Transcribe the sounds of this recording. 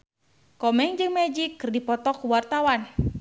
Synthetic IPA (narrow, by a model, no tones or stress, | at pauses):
kɔmɛŋd͡ʒɨŋmɛd͡ʒikːɨrdipɔt̪ɔkuwart̪awan